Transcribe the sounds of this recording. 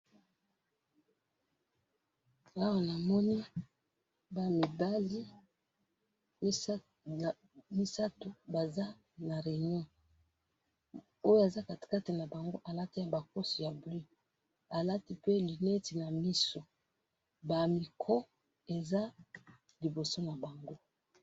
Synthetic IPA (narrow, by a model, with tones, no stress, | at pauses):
a˦wa˨na˨mɔ˦ni˦ | ba˨mi˨ba˦li˦˨ | mi˦sa˦to˨ba˨za˦ | na˨ʁe˨ɲɔ̃˦ | o˦jo˦a˨za˦ka˨tka˦ti˨na˨ba˨ŋɡo˦ʔa˨la˦ti˦ja˨ba˨ko˦sɔ˨ja˨bli˦ | a˨la˦ti˦pe˦li˨ne˦ti˨na˨mi˦so˨ | ba˨mi˨kʰɔ˦ | e˨za˦ | li˨bo˨so˦na˨ba˨ŋɡo˦